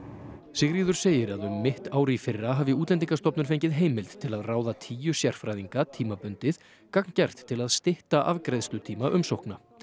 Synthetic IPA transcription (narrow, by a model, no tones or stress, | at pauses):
sɪɣriːðʏɾ̥seːjɪɾaðʏmːɪht̪aːwɾɪifɪrːaɦaːvɪuːt̪lɛnt̪̬iŋkast̪ɔpnʏɾfejɲcɪðɦeːjmɪlt̪t̪ʰːɪlaðraːwðat̪ʰiːjʏsjɛr̥fɾaːjðiŋkat̪ʰiːmapʏnt̪ɪθ | kakncɛr̥t̪ʰːɪlaðst̪ɪht̪aʔavkɾejðst̪ʏt̪ʰiːmaʔʏmsowhkna